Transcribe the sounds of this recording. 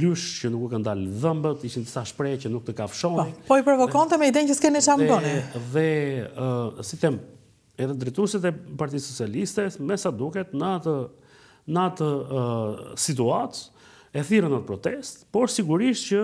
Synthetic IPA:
lyʃcənukkand̪alðəmbət̪iʃind̪isaʃpɾɛcənuk̚t̪əkafʃɔnipɔipɾɔvɔkɔnt̪ɛmɛid̪ɛncəskɛnit͡ʃamb̪ɔniðɛ | sit̪ɛm | ɛðɛd̪ɾɛt̪usit̪ɛpaɾt̪isːɔt͡sialist̪ɛsmɛsad̪ukɛt̪nat̪ə | nat̪ə | sit̪̬uat̪ | ɛθiɾənat̪̚pɾɔt̪ɛst̪pɔɾsiɡuɾiʃt̪cə

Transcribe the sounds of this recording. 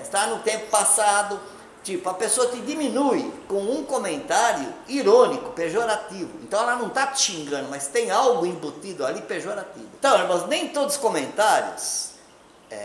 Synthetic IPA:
ɪst̪anʊt̪ẽmpʊ̥pasad̪ʊ | t͡ʃ̪ipʊɐpesoɐt̪ɪd̪iminujkõw̃ũkomẽnt̪aɾjʊ̰iɾõnikʊ̥peʒoɾat̪ivʊḛ̃nt̪ɐ̃w̃ɛlɐnɐ̃w̃t̪aʃĩŋɡɐ̃nd̪ʊmast̪ẽj̃awɡʊĩbot̪id̪ʊalipeʒoɾat̪ivʊ̃t̪ɐ̃w̃ɛmɐ̃znẽj̃t̪od̪ʊʊskõmẽnt̪aɾjʊ̰s | ɛ̰

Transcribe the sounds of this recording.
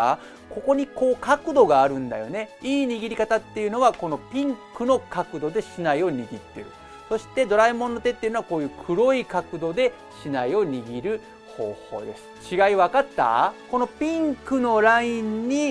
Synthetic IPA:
ko̞ko̞ɲ̟iko̞ːkakɯ̟d̪o̞ɡaːɾɯ̟̃nd̪a̰jo̞ne̞iːɲ̟iɡʲiɾʲikat̪at̪ːe̞jɯ̟no̞βako̞no̞pʲĩŋkɯ̟no̞kakɯ̟d̪o̞d̪e̞ɕinaio̞ɲ̟iɡʲit̪ːe̞ɾɯ̟̰ | so̞ɕi̥t̪e̞d̪o̞ɾaimõ̞nːot̪e̞t̪ːejɯ̟noako̞ːjɯ̟ːkʰɯ̟ɾo̞ikakɯ̟d̪o̞d̪e̞ | ɕinaio̞ɲ̟iɡʲiɾɯ̟ | ho̞̰ːho̞̰ːd̪e̞sɨ̥t͡ɕiɡaiβakat̪ːa̰ko̞no̞pʲĩŋkɯ̟no̞ɾaĩɲːi

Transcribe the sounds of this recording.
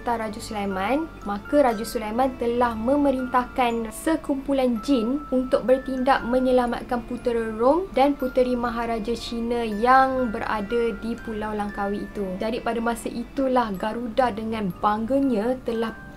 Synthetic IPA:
t̪aɾad͡ʒusulamãn | mãkaɾad͡ʒusulamant̪əlahmə̃mə̃ɾint̪ahkansəkumpuland͡ʒinunt̪ʊk̚bərt̪indaʔmə̃ɲəlama̰t̪̚kanput̪ərromdanput̪əɾimãɦaɾad͡ʒat͡ʃinãjaŋbəɾa̰dadipulawlaŋkawiːt̪ud͡ʒadipadamãsəʔit̪ulahɡaɾudadəŋãnbaŋɡəɲãt̪əlah

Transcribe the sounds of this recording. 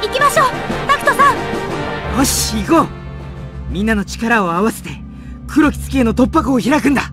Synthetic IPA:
ikʲimaɕo̞ːt̪akɯ̟̥t̪osã | moɕiɡo | mʲĩnːano̞t͡ɕi̥kaɾao̞aβase̞̥t̪e̞ | kʰɯ̟ɾo̞kʲi̥t͡sɨ̥kʲieno̞t̪o̞pːakɯoçiɾakɯ̟̃nd̪a

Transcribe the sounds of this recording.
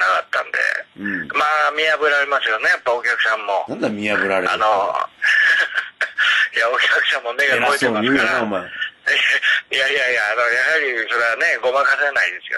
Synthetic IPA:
nakat̪ːã̰nd̪ḛɯ̃maːmʲiabɯ̟ɾaɾemasɨjo̞ne̞japːaok̬ʲakɯ̟sãmːo̞ãnd̪amʲiabɯ̟ɾaɾea̰no | jaokʲakɯ̟sãmːo̞meɡaoiemasɨɯːkjaoɾaamaː | ijaijajaːno̞jaɦhaɾʲiso̞ɾane̞ɡo̞makasenaid̪e̞sɨ̥jo̰

